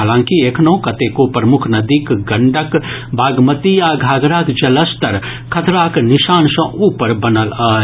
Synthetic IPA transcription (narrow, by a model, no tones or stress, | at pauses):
aːlãːŋkieːknoːkɐt̪eːkopɾɐmʊkʰnɐd̪ikɡɐɳɖək | bʱaːɡmət̪ijaːɡʱaːɡɾaːkd͡ʒɐləst̪ɐɾ | kʰɐt̪ɾaːknɪʃaːnsɐ̃ʔuːpəɾbɐnəlaː